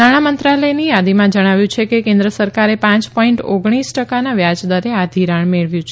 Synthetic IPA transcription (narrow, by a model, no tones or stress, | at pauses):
naɽ̃amənt̪ɾaləjnijad̪imãd͡ʒəɽ̃aʋjũt͡ʃʰekekẽnd̪ɾəsəɾkaɾepãt͡ʃpɔiɳʈoɡɽ̃isʈəkanaʋjad͡ʒd̪əɾead̪ʱiɾaɳmeɭʋjũt͡ʃʰe